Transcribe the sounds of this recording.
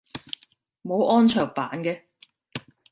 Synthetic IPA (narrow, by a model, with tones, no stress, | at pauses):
mo˨˧wʔɔː˥nt͡ʃʰœː˨˩ŋpaː˨˥nkɛː˧